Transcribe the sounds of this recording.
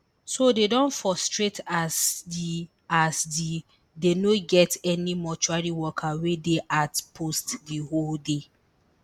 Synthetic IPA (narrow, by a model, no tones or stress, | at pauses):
sodedɔ̃nfɹɔstɹetʰa | asdi | denoɡɛtɛnimɔt͡ʃuaɹiwɔkʰawedeʔatpʰostdiholde